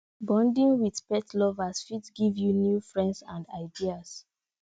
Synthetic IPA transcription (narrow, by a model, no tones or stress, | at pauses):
bɔ̃ndĩŋwið̥pɛtlɔvasfitsɡivjunjufɹɛ̃ndsãnda̰ɪdias